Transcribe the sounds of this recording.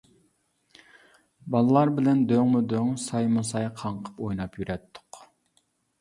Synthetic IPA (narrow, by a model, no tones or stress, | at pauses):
bɑlˠəlˠɑɾbɪlɛnd̪øŋmud̪øŋsɑjmusɑjqʰɑɴqʰə̥pojnɑpjyɾʔɛt̪ʰːʊ̥q